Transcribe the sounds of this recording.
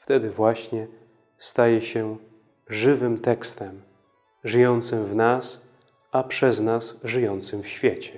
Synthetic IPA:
ft̪ɛd̪ɘvwaɕɲɛ | st̪ajɛɕɛ | ʐɘvɘmt̪ɛkst̪ɛm | ʐɘjɔnt̪sɘmvnas | apʂɛznasʐɘjɔnt̪sɘmfɕfʲjɛt͡ɕɛ

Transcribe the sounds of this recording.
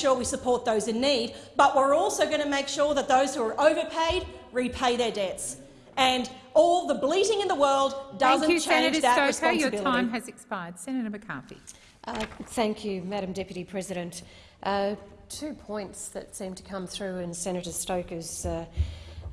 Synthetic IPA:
ʊɹwisɨpʰɔɹt̪̚ðoʊzɨ̃nːid̚b̥ʌʔwɪɹɔlˠsoʊɡʌ̃nɨmeɪkʃʊɹðət̪̚ðoʊz̥hʉə˞ʔoʊvə˞pʰeɪd̚ɹipʰeɪðə˞dɛt̪s | ɨ̃nɔlˠðəbliɾɪ̃ŋɨ̃nðəwɜ˞lˠddʌzɨ̃nt͡ʃʰẽɪ̃nɾd͡ʒðɨt̚ɹɨsnsɨbɪlˠəãiɪ̃mɨzɨkspaɪə˞d̥sɛ̃ñɨɾəmɨkʰɑ̰fḭ | ʔʌθæ̃ŋkʰjʉmæɾ̃m̩dɛpjɨɾipʰɹ̥ɛzɨɾɨ̃nt | ʔʌtʰʉpʰɔ̃ɪ̃ntsðɨ̰tsĩmtʰɨ̥kʰʌ̃mθɹʉɪ̃nsɛnɨɾə̥stoʊkɨz̥ʌ

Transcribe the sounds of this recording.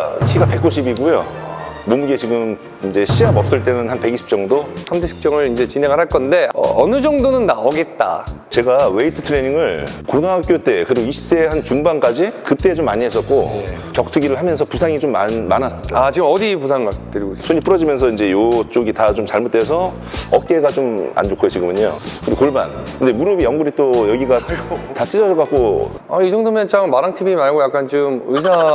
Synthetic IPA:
ɕʰiɡape̞k̚k͈oɕ̬ʰibiɡojomomuɡe̞t͡ɕiɡɯm | ind͡ʑe̞ɕʰiamʌp̚s͈ɯɭt͈e̞nɯnhanpe̞ɡiɕʰi̥p̚t͡ɕ͈ʌŋdosʰamdeɕʰi̥p̚t͡ɕ͈ʌŋɯɭind͡ʑe̞t͡ɕine̞ɡɯɭɦaɭk͈ʌnde̞ʌ̰ʌnɯd͡ʑʌŋdonɯnːaoɡe̞t̚t͈a̰ | t͡ɕe̞ɡawe̞itʰɯ̥tʰɯɾe̞ɲiŋɯɭkonwaɦak͈jot͈e̞kɯɾiɡoiɕʰi̥p̚t͈e̞hant͡ɕuŋbank͈ad͡ʑikɯt͈e̞ːt͡ɕomːaɲiɦe̞s͈ʌt̚k͈oe | kjʌk̚tʰɯɡiɾɯɭɦamjʌnsʰʌpusʰaŋit͡ɕomːanmːanas͈ɯ̥mt͈aat͡ɕiɡɯmʌdipusʰaŋɡat͈ɯɾiɡosʰoɲip͈ɯɾʌd͡ʑimjʌnsʰʌind͡ʑe̞jot͡ɕ͈oɡitat͡ɕomt͡ɕaɭmot͈wes̬ʰʌ | ʌt̚k͈e̞ɡat͡ɕoma̰nd͡ʑokʰojot͡ɕiɡɯmɯɲo̰kɯɾiɡokoɭba̰nkɯnde̞muɾʌbijʌŋɡuɾit͈ojʌɡiɡatat͡ɕʰid͡ʑʌd͡ʑʌkak͈̚o | aid͡ʑʌŋdɯmjʌnt͡ɕammaɾaŋtʰibimaɭɡojak͈ant͡ɕɯmɯsʰa

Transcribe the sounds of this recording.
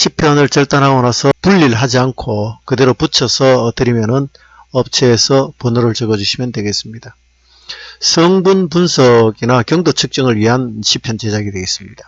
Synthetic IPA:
ɕʰipʰjʌnɯɭt͡ɕʌɭt͈anɦaɡʌnasʰʌpuʎːiɭɦad͡ʑiankʰokɯde̞ɾoput͡ɕʰʌsʰʌtɯɾimjʌnɯn | ʌp̚t͡ɕʰeːsʰʌponɯɾɯɭt͡ɕʌɡʌd͡ʑuɕʰimjʌndwe̞ɡe̞s͈ɯmɲid̥a | sʰʌŋbunpunsʰʌɡinakjʌŋdot͡ɕʰɯk̚t͡ɕ͈ʌŋɯɭɥiɦanɕʰipʰjʌnt͡ɕe̞d͡ʑaɡidwe̞ɡis͈ɯmɲid̥a

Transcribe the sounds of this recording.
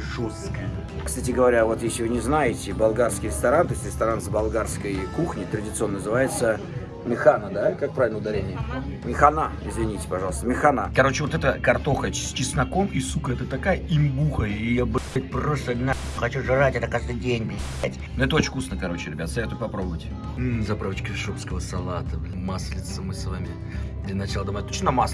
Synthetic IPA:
ʐoskəjə | kst̪atʲɪɡəvɐɾʲavo̞t̪jesʲlʲɪvɨnʲɪznajɪtʲɪbɐlˠɡarskʲɪɾʲɪst̪ɐɾant̪ojsʲt̪ʲɾʲɪst̪ɐɾanzbalˠɡarskəjkuxnʲɪt̪ɾədʲɪt̪sɨo̞nːənəzɨvajɪt̪sə | mʲɪxanəd̪akak̚pɾavʲɪlnəʊd̪ɐɾʲenʲɪjəmʲɪxanaɪzvʲɪnʲitʲɪ̥pɐʐɑlˠəst̪əmʲɪxanakɐɾo̞t͡ɕɪvot̪ɛt̪əkɐrt̪o̞xəsʲt͡ɕɪsnɐko̞misukəɛt̪ət̪ɐkajəimʲbuxəijabɨɪt̪̚ʲpɾost̪əd̪ʲna | xɐt͡ɕuʐɨɾatʲɛt̪əkaʐd̪ɨdʲenʲbʲ | atʲnoɛt̪əot͡ɕɪ̃ŋʲkusnəkɐɾo̞t͡ɕɪɾʲɪbʲat̪st̪ɐjat̪ʊpɐpɾobəvətʲɪ | zɐpɾavət͡ɕkɪʂopskəvəsɐlˠat̪əmaslʲɪt̪səmɨsvamʲɪ | ɡdʲenɐt͡ɕɪlˠəd̪ɐmat̚ʲt̪ot͡ɕʲnɐmas

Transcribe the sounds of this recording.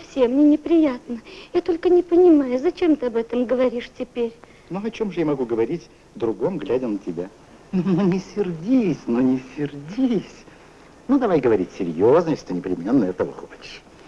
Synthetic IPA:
fsʲemnʲenʲɪpɾʲɪjat̪nəjat̪o̞lʲkənʲɪpənʲɪmajʊzɐt͡ɕemt̪ɨɐbɛt̪əmɡəvɐɾʲiʂtʲɪpʲeɾʲ | noɐt͡ɕo̞mʐɨjamɐɡuɡəvɐɾʲitʲ | d̪ɾʊɡo̞mɡlʲædʲənətʲɪbʲa | nnonʲɪsʲɪrdʲisʲnonʲɪsʲɪrdʲisʲ | nud̪ɐvajɡəvɐɾʲitʲsʲɪɾʲjoznjesʲɪt̪ɨnʲɪpɾʲɪmʲenːəɛt̪əvə̰xot͡ɕɪ̥ʂ

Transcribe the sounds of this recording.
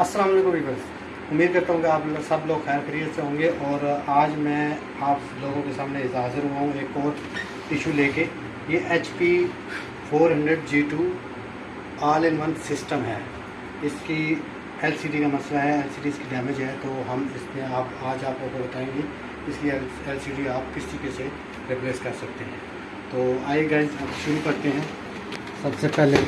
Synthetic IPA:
ɐsːɐlaːmɐleːkʊ̃mbibɐs | ʊmiːd̪̚kɐɾt̪aɦõːɡeaːpsɐbloːɡxɛːɾkəɾiəseɦõːŋɡeʔɔːɾaːd͡ʒmɛ̃ | aːp | loːɡõkesaːmneɪzaːzɪɾuaɦũeːkɔːɾ | ɪʃuleːke | jeʔeːt͡ʃpi | fʰoːɾɦɐ̃ɳɖɾəɖd͡ʒiːʈuː | aːlɪnʋɐnsɪsʈəmɦɛː | ɪski | ɛlsiːɖikamɐslaɦɛɛːlsiːɖiːskiɖɛːmɪd͡ʒɦɛt̪oɦɐmɪsmẽaːpaːd͡ʒaːp̚kokobɐt̪aːẽːŋɡi | ɪskiɛ | ɛlsiːɖiaːp̚kɪst͡ʃikese | ɾɪpleːskɐɾsɐk̚t̪eɦɛ̃ː | t̪oːaːiɡaːɪzapʃʊɾukɐɾt̪eɦɛ̃ː | sɐbsepɛɦle

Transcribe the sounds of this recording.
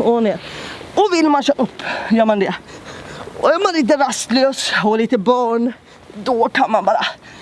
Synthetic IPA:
oneɾ | ɔvɪlːmanɕɑːɵpːjœːɾmand̪ɛ | ɔjœːɾmanliːt̪̬əɾast̪løːsɔliːt̪əbɑːɳ | d̪ɔkʰanmanbɑːɾa

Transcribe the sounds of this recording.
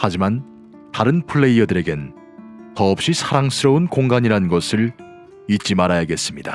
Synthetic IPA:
had͡ʑiman | taɾɯnpʰuɭːe̞iʌdɯɾe̞ɡe̞n | tʌːp̚ɕ͈isʰaɾaŋsʰɯɾʌunkoŋɡaɲiɾanɯnɡʌsʰɯɭ | it̚t͡ɕ͈imaɾajaɡe̞s͈ɯmɲida

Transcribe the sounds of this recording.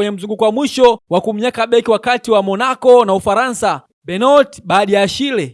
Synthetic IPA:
ɛɲɛm̩ziŋɡukwamwiʃɔwakum̩ɲɛkaɓɛkiwakatiwamɔnakɔnaufaɾansa | ɓɛnɔtɓaːɗijaʃilɛ

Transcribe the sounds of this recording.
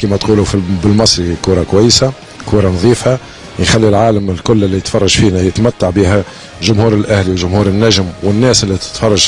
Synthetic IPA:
kæːmæt̪quːlufibɪlmɑsˤɾikuːɾˤɑkwæjːsa | kuːɾˤɑnɑðˤiːfa | jxælːilʕaːləmɪlkʊlːɪlːijət̪fɑrˤːɑʒfiːnæjɪt̪mæt̪ːaʕbiːɦæ | ʒʊmhuːɾɪlʔæhliwlʒʊmhuːɾənːæʒmwɪnːæːsɪlːit̪ɪ̥t̪fɑrˤːɑʒ

